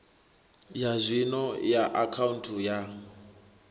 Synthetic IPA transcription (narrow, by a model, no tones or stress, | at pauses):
jazʷinɔjaʔakʰauntʰuja